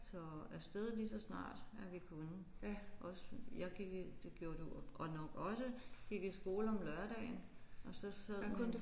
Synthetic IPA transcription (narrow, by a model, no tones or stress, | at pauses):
sɒ̽æsd̥eð̞ˠlisɒ̽snɑ̰̈ːd̥æɐʋikʰonəʔɒ̽sjɑ̈ɡ̥iɡ̥d̥eɡ̥jo̝ːɐd̥uʔɒnɒ̽ɡ̥ɒ̽səɡ̥iɡ̥isɡ̥o̝ːləɒ̽mlɶɐɾ̥ɛ̰ːɪnʔɒ̽sɒ̽sæð̰ˠʰ